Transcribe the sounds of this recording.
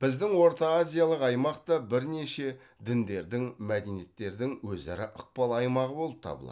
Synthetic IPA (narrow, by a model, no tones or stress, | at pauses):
b̥ɪzd̪ɪŋwo̞ɾt̪aazʲijalˠəqɑjmɑqt̪ɑbɪɾneʃe̞ | d̪ɪnd̪e̞ɾd̪ɪŋmæd̪e̞nije̞t̪ːe̞ɾd̪ɪŋwɵzæ̰ɾɪʔʊq̚pɑlˠɑjmɑʁəbo̞lˠəp̚t̪ʰɑ̰bəlˠɑ̰